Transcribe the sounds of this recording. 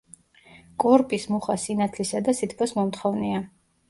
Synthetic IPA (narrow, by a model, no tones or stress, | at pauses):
kʼɔɾpʼismuχasinat̪ʰlisad̪asit̪ʰkʰɔsmɔmt̪χɔvnia